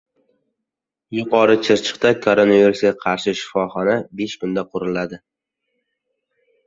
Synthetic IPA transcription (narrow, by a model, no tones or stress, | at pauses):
jʊqʰɒɾɪt͡ʃʰɪɾt͡ʃʰɨ̥qt̪akʰoɾonaviɾusɡʲaqʰɑɾʃɪʃɪ̥fɒχɒnabe̞ʃkʊnd̪aqʰʊɾɪlad̪ɪ